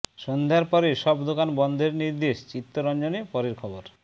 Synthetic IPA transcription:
ʃond̪ʱaɾpɔɾeʃɔbd̪okanbɔnd̪ʱeɾniɾd̪eʃt͡ɕit̪ːoɾɔnd͡ʑonepɔɾeɾkʰɔboɾ

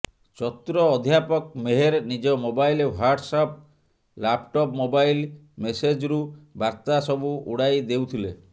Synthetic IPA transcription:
t͡ʃɔt̪ɾɔːd̪ʱjapɔk̚meɦeɾnid͡ʒɔmobajlewaɾɖsɔp̚ | lapʈɔpmobajl | mesed͡ʒɾubaɾt̪asɔbuuɽajd̪ewt̪ʰile

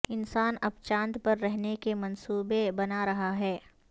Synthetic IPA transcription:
ɪnsaːnɐbt͡ʃãːnt̪pɐɾːɛɦnekemɐnsuːbebɐnaɾɐɦaɦɛː

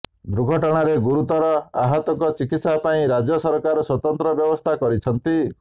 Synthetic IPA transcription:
d̪ɾuɡʱɔʈɔɽ̃aɾeɡuɾut̪ɔɾɔaɦat̪ɔŋkɔt͡ʃikit̪sapaĩɾad͡ʒɔsɔɾkaɾɔswɔt̪ɔnt̪ɾɔbjɔbɔst̪ʰakɔɾit͡ʃʰɔnt̪i

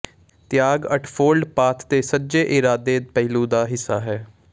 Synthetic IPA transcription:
t̪ɪjaːɡəʈʰpʰoːlɖpaːt̪ʰt̪eːsəd͡ʒeːʔɪɾaːd̪eːpɛilũːd̪aːɦɪsːaːɦɛː

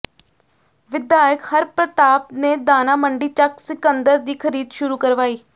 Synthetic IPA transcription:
ʋɪd̪jaːjəkhəɾpɾət̪aːpneːd̪aːnaːməɳɖiːt͡ʃəksɪkənd̪əɾd̪iːkʰəɾiːd̪ʃʊɾuːkəɾʋaːiː

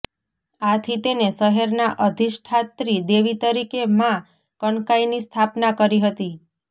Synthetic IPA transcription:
at̪ʰit̪eneʃəɦeɾnaʔəd̪ʱiʃʈʰat̪ɾid̪eʋit̪əɾikemã | kəɳkajnist̪ʰapnakəɾiɦət̪i

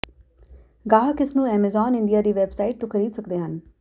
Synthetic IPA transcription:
ɡaːɦkɪsnũːɛːmɛzɔːnɪɳɖijaːd̪iːʋɛbsaːɪʈ̚t̪õːkʰəɾiːd̪səkd̪eːɦən

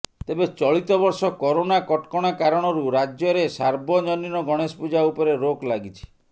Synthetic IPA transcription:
t̪ebet͡ʃɔɭit̪ɔbɔɾsɔkɔɾonakɔʈkɔɽ̃akaɾɔɽ̃ɔɾuɾad͡ʒjɔɾesaɾbʱɔd͡ʒɔninɔɡʱɔɽ̃espud͡ʒaupɔɾeɾoklaɡit͡ʃʰi̥

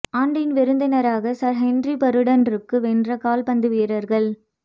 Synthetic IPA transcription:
aːɳɖɪnʋɛɾɯnd̪ɐnɐɾaːɣɐsɐɾɦɛnripɐɾɯɽɐnɾɯkːɯʋɛndrɐkaːlpɐnd̪ɯʋiɾɐɾɣɐɭ

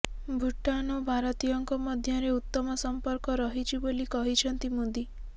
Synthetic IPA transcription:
bʱuʈːanɔbʱaɾɔt̪ijɔŋkɔmɔd̪ʱjɔɾeut̪ːɔmɔsɔmpɔɾkɔɾɔɦit͡ʃʰibolikɔɦit͡ʃʰɔnt̪imud̪i

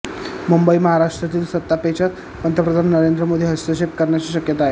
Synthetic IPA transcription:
mumbəiməɦaɾaʂʈɾət̪iːlsət̪ːapet͡ɕət̪ | pənt̪ɾəpɾəd̪ʱanːəɾend̪ɾəmod̪ʱiːɦəst̪əɕepkəɾɳjat͡ɕiːɕəkjət̪aːɦe

